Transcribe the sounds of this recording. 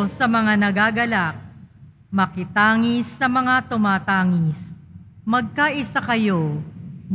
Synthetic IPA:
sɐmɐŋanɐɡaːɡɐlak̚ | mɐkɪt̪aːŋɪsːɐmɐŋat̪ʊmaːt̪aːŋɪsmɐɡ̚kaʔɪsakɐjo

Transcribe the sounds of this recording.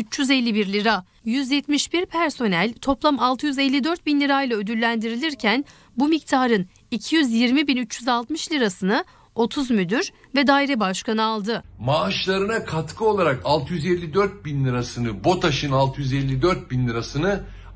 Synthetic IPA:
yt͡ʃjyzɛlʲːibiɾlʲiɾa | jyzjɛt̪miʃbiɾpʰæɾso̞nælʲt̪ʰo̞plˠamalˠt̪ʰɯjyzɛlʲːid̪øɾt̪̚binlʲiɾajlˠaød̪ylːʲænd̪iɾilʲiɾcʰæn | bumic̚t̪ʰaːɾɯn | icʰijyzjiɾmibinyt͡ʃjyzalˠt̪mɯʃlʲiɾasɯnɯ | o̞t̪ʰuzmyd̪yɾ | vɛd̪aːiɾɛbaʃkanɯalˠd̪ɯmaːʃlˠaɾɯnakʰat̪kʰɯo̞lˠaɾakalˠt̪ʰɯjyzɛlʲːid̪øɾt̪̚binlʲiɾasɯnɯbo̞t̪ʰaʃɯnalˠt̪ʰɯjyzɛlʲːid̪øɾt̪̚binlʲiɾasɯnɯ

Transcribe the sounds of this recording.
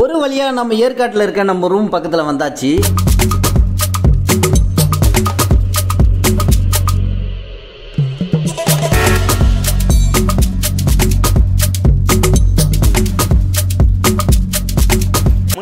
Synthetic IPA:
ɔɾɯʋɐɭɪjaːnɐmːɐeːɾkaːʈːɪlɪɾɯkːeːɳɖɐmːʊɾɯʋʊmpɐkːɐt̪ːɪlɐʋɐnd̪aːt͡ʃːi | ʊ

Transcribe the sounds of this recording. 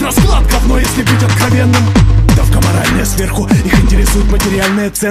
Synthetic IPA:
ɾɐskɨlˠat̪̚kɐfnojesʲlʲɪbɨtʲɐt̪kɾɐvʲe̞nːɨmd̪ɐfkəmɐ̰ɾa̰lʲnəjəsvʲerxʊixɪnʲtʲɪɾʲɪsujɪt̪mətʲɪɾʲɪalʲnɨjət̪sɛ

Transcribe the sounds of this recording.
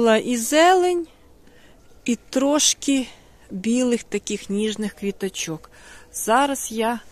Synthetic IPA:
ʊlˠɑʔizɛlˠenʲ | it̪ɾɔʃkʲi | bʲilˠɪxt̪ɐkʲixnʲiʒnɪxkʋʲit̪ɐt͡ʃɔkz̥ɑɾɐsja

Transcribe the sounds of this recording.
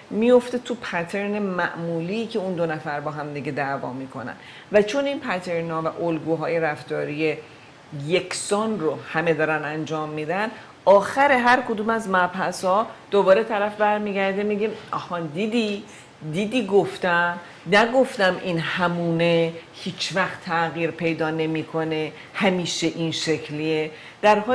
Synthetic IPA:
mijo̞ft̪et̪ʰupʰæt̪ʰeɾnemæʔmuːliːkcʰe̞und̪onæfæɾbɒːɦæmd̪iɟed̪ævɒ̰ːmiːkʰo̞̰næ̰n | væt͡ʃʰo̞ninpʰæt̪ʰe̞ɾnɒːvæʔolɡuːɦɒːje̞ɾæft̪ɒːɾije | je̞cʰsɒːnrohæme̞d̪ɒːɾænænd͡ʒɒːmːiːd̪æn | ɒːxæɾe̞ɦæɾkʰod̪uːmæzmæbhæsɒːd̪̥obɒːɾe̞t̪ʰæɾæfbæɾmiːɟæɾd̪emiɡimɒhɒːnd̪iːd̪i | d̪iːd̪iːɡoft̪æm | næɡoft̪æmʔinhæmuːnehiːt͡ʃʰvæxt̪ʰːæɣiːɾpʰe̞jd̪ɒːne̞miːkʰo̞ne̞ | hæmiːʃe̞ʔinʃecʰlie | d̪̥æɾɦɒː

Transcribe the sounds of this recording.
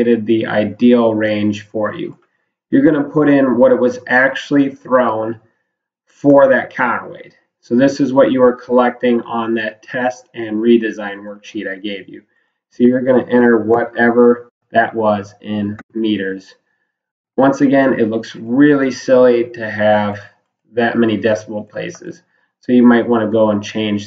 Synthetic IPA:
ɾɨd̪̚ðiʔa̰ɪdil̩ˠɹẽɪ̃nʒ̥fə˞jʉ̰ | jə˞ɡʌnəpʰʊɾɪ̃nwʌɾɨt̚wʌzʔæk̚t͡ʃʉl̩ˠiθɹõʊ̃n | fə˞ðɨt̚kʰɑwḛɪd̥ | soʊðɪsɨzwʌt͡ʃɨwə˞kʰəlɛk̚tɪ̃ŋə̃nðɨtʰɛstɨ̃nɹidɨzãɪ̃nwɜ˞kʃiɾaɪɡeɪvjʉ̰ | soʊjə˞ɡʌnɨʔɛ̃ɾ̃ə˞wʌɾʔɛvə˞ | ðɨʔwʌzɪ̃nmiɾə˞z̥ | wʌ̃nsɨɡɛ̃nɪ̰tˡlʊksɹɪlˠisɪlˠiɾɨɨv | ðɨt̚mɛñidɛspl̩ˠt̚pʰl̥ḛɪsɨ̰z̥ | soʊjɨmaɪʔ̚wɑ̃ɾnɨɡoʊə̃nt͡ʃʰẽɪ̃nd͡ʒ

